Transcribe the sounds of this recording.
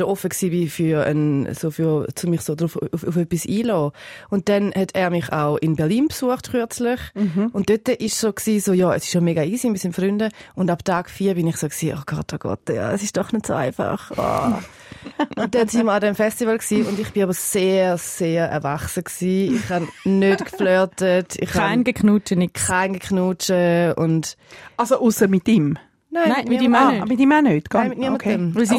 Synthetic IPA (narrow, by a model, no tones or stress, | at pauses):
ʃoʔɔfəksiːbifyə̰n̰soːfyɐt͡sʊmiχsoːdɾuffuføpisiːlɔːʊnt̚d̥ɛnhɛtʰɛːɐmɪχa̰ʊʔɪnbɛɐliːnpsuəχtkyɐt͡slɪχʊnt̚d̥øtəʔɪʃsoːksiːsoːjɑːɛ̰sɪ̥ʃomeːɡaiːsimɪtsinfʁʏndəʊndabtʰaːɡ̥fiːɐbɪnɪχsoːksiːʔo̰ɡ̥ɔ̰t̚ːoɡ̥ɔ̰t̚ːjɑ̰ɛsɪʃd̥ɔχnətso̰aɪfa̰χɔ̰ | ʔʊnt̚dɛnsinmiəɐadɛmfɛstivəlksiːʊndiχb̥inabɐseːʁseːʁɛ̰ɐvaχsəksiːiχhannøtkflœɐtətḭχhaɪnɡəkχnuːt͡ʃənikʰaɪnɡəkχnuːt͡ʃəʊnt | alsoʔusəmɪtim | naɪnmimːmitimanøːtɡ̥amɪtniɐmɐtʰɛms